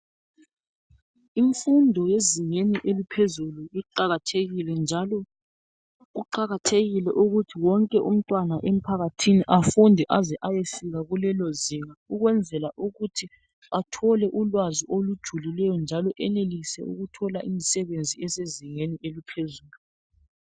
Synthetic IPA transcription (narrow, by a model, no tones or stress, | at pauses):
iɱfundʱɔjeziŋeniʔelipʰezuluiǃaɣatʰeɣilɛnd͡ʒʱalɔ | ɣuǃaɣatʰeɣilɛʔuɣutʰiwɔŋkʼɛʔum̩tʼwanaʔem̩pʰaɣatʰiniʔafundʱɛʔazɛʔajesiɣaɣulɛloziŋauɣwɛnd͡zʱɛlaʔuɣutʰi | atʰɔlɛʔulwaziʔolud̥ʒ̥ʱulilɛjɔnd͡ʒʱalɔʔɛnelisɛ̰ṵɣutʰɔlaʔimisɛβend͡zʱiɛseziŋeniʔelipʰezuːlu